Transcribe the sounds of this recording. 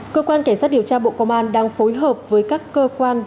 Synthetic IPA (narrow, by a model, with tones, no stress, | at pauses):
kəː˧kwaː˧nka˧˩ŋ̟saː˦˥t̚ɗi˧˩əwt͡ɕaː˧ɓo̰˧˨kɔ˧wŋ͡mʔaː˧nɗaː˧ŋfo˨˦jɦə˨˩p̚vəː˨˦jkaː˦˥kːəː˧kwaː˧n